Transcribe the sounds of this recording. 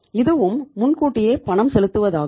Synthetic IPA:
ɪðɯʋɯmːʊnkuːʈːɪjeːpɐɳɐmsɛlɯt̪ːɯʋɐðaː

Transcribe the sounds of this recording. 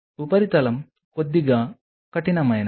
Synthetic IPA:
upɐɾit̪ɐlɐm | kod̪ːiɡaː | kɐʈinɐmɐjɐn

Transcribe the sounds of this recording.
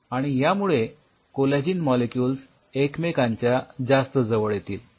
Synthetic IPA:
aɽ̃ijamuɭe | koled͡ʑiːnmɔlekjuːls | ekmekãɲt͡ɕjad͡zast̪əd͡zəʋəɭjet̪iːl

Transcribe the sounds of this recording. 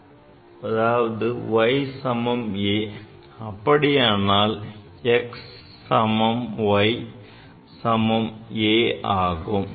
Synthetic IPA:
ɐðaːʋɐðɯʋɐɪsɐmɐmeː | ɐpːɐɽɪjaːnaːl | ɛksː | ɐmɐmʋɐɪ | sɐmɐmeːaːɣɯm

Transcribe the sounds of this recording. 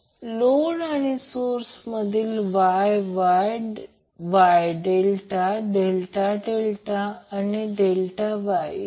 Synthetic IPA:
lonaɽ̃isoɾsməd̪ʱiːlʋajʋajɖ | ʋajɖelʈaɖelʈaɖelʈaːniɖelʈaʋaj

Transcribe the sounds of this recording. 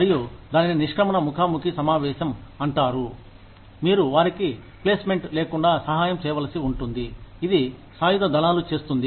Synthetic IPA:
ɐɾijud̪aːnininiʂʈʰɾɐmɐnɐmukʰaːmukisɐmaːʋɛːʃɐmɐɳʈaːɾu | miːɾuʋaːɾiki | pleːsmeɳʈleːkuɳɖaːsɐɦaːjɐmt͡ʃɛːʋɐlɐsiuɳʈund̪iid̪isaːjud̪ɐd̪ɐnaːlut͡ʃe̞ːst̪und̪i

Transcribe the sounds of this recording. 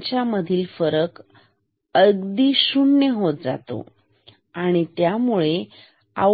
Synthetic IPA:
t͡ɕjaməd̪ʱiːlfəɾək | əɡd̪iːɕuɳːeɦot̪̚d͡za̰t̪o̰ | aɽ̃it̪jamuɭe | a̰

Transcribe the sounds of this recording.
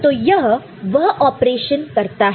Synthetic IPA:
t̪ojəɦ | ʋəɦʔɔpɾeɕənkəɾt̪aɦ

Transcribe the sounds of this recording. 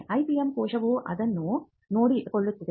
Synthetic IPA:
ʔɐjpiɐmkoːʂɐʋuʔɐ̰d̪ɐnːu | noːɽikoɭːut̪ːɐd̪

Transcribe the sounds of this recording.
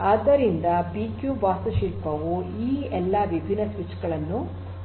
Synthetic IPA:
aːd̪ɐɾind̪ɐbiːkjubaːsɐʃilpɐʋuiːɛlːɐʋibʱinɐsʋit͡ʃɡɐɭɐnːu

